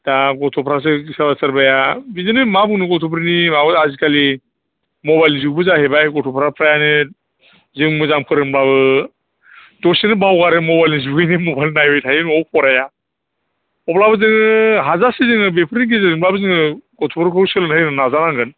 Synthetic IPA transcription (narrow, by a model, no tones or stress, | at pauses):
d̥aɡɔtʰɔpʰɾas̬ɯɡisabasaɾbajabizɯnɯmabɯnɯɡɔtʰupʰɾinimabɯazikali | mɔbajlnizuɡbɯzahebajɡɔtʰɔpʰɾapʰɾajanɯ | zɯŋmɯzaŋpʰɯɾɯmblaβɯ | dɔsenɯbawɡaɾɯmɔbajlniz̬ubɡɯjnimɔbajlnajbɔjtʰajɯnɔpʰɔɾaja | ɔplabɯzɯŋɯɦazasizɯŋɯbepʰɾiniɡ̬izaimlabɯzɯŋɯɡ̥ɔtʰɔpʰɾɯkʰɯsɯlɯnhɯnɯnazanaŋɡɯn